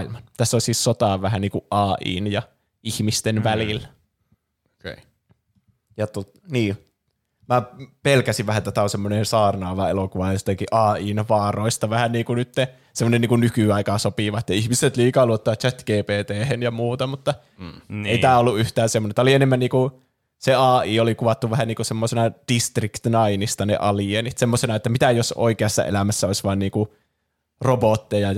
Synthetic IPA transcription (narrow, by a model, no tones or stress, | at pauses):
ilmɑnt̪æsːolsiːssot̪ɑːʋʋæhæniːŋkuʔʔɑːʔḭːnjɑ | ihmist̪enʋælil | jɑt̪o | niː | mæpelkæsiʋʋæhæt̪æt̪æosemːonensɑːrnɑːʋɑelokuʋɑjost̪ɑkiʔɑːiːnʋɑːroist̪ɑʋæhænniːkunyt̪ːe | semːˑonenːiːŋkunnykyɑikɑsopiʋɑt̪ːɑihmiset̪liːkɑːluot̪ːɑʋɑt̪t͡ʃæt̪ɡ̥eːpeːt̪eːhenjɑmuːt̪ɑmut̪ːɑ | neˑiæːolːuʔyht̪æːnsemːonet̪æolienemːænniːku | seɑːiːolikuʋɑt̪ːuʋʋæhæniːkusemːosenɑd̥ist̪rikt̪nɑinist̪ɑnḛʔɑlienit̪semːosenɑet̪ːæmit̪æjoso̰ikeɑsːɑ̰ʔḛlæmæsːæoisʋɑːnniːku | robot̪ːejɑ